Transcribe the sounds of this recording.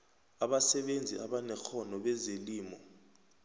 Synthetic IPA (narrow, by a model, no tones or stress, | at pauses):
aɓasɛɓend͡zʱḭʔaɓanɛxɔnɔɓɛzeliːmɔ